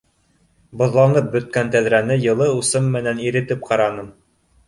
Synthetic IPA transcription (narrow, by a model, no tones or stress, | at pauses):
bŏðlˠɑɴɤp̚bɵ̆t̪̚kænt̪æðɾænɘjɤ̆lˠɤusɤmːɘ̆næniɾɘ̆t̪ɘp̚qɑɾɑnɤm